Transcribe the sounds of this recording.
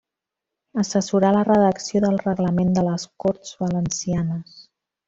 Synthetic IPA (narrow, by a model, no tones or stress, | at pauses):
əsəsuɾalərəðəksioðəlˠrəɣləmend̪ələskoɾt̪z̥βələnsianəs